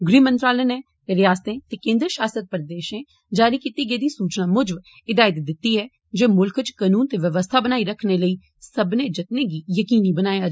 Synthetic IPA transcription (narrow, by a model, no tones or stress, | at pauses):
ɡɾiːmə̃nt̪ɾaːlənɛ̃ː | t̪eːɾɪjaːst̪ẽːt̪eːkẽːnd̪ɾʃaːsət̪̚pəɾd̪eːʃẽː | d͡ʒaːɾiːkɪt̪iːɡeːd̪iːsuːt͡ʃnaːmʊd͡ʒb | ɪd̪aːjɪt̪d̪ɪt̪ːiːɛː | d͡ʒeːmʊlkʰt͡ʃkaːnuːnt̪eːʋjəʋəst̪ʰaːbənaːiːɾəkʰneːləiː | səbnẽːd͡ʒɪt̪neːɡiːjəkiːniːbənaːjaː